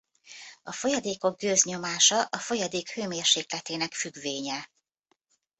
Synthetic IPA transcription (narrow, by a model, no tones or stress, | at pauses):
ɒfo̞jɒd̪eːko̞ɡ̚ɡøːzɲo̞maːʃɒʔɒfo̞jɒd̪eːkhøːmeːrʃeːklɛt̪eːnɛkfyɡʋeːɲɛ